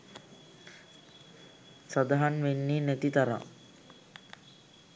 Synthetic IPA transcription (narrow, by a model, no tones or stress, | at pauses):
sad̪aɦanʋenːiːnæt̪it̪aɾa̰